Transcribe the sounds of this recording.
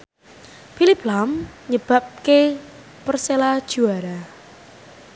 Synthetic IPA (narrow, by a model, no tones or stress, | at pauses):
filiplamɲəb̥a̤p̚ke | pərselad̥ʒ̥ṳaɾa